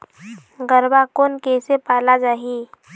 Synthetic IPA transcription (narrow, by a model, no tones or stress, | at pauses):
ɡəɾbakoːnkeːsepaːlad͡ʒaːɦi